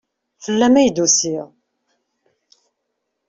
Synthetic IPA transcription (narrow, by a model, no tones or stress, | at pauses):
fəlːæmæjd̪usiʁ